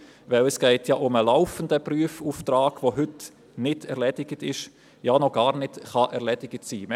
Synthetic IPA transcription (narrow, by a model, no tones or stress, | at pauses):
ʋɛləsɡ̥ɛɪtʰjaʔʊməlaʊfəndəpryəfuːft̪raːɡ̥voɦʏt | nɪdʰɛʁɾlɛdɪɡ̥ətɪʃ | janɔɡ̥ɑːɾnɪtχɑʔɛʁlɛdɪɡətsiːmɛ